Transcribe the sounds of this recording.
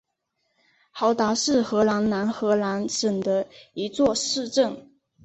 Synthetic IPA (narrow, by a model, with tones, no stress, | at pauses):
xɑ˧˥ʊt̪a˧˥ʂɻ̩˥˩xɤ˧˥la˧˥nna˧˥nxɤ˧˥la˧˥nʂə˨˩ŋd̪ə˦i˧˥t͡swɔ˥˧ʂɻ̩˥˧ʈ͡ʂɤ˥˩ŋ